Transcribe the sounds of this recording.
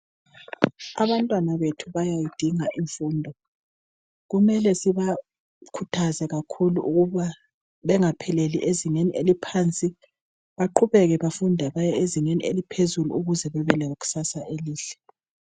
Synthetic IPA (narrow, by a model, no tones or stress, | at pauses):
aβantʼwanaβetʰuβajajid̥ʱiŋaʔiɱfuːndʱɔ | ɣumɛlɛsiβa | kʰutʰazɛɣakʰuluʔuɣuβa | βɛŋapʰɛlelḭʔeziŋenielipʰant͡sʼi | βaǃuβɛɣɛβafundʱɛβajɛeziŋenielipʰezuluuɣuzɛβɛβɛlɛoɣu̥sasaʔeliːɬɛ̥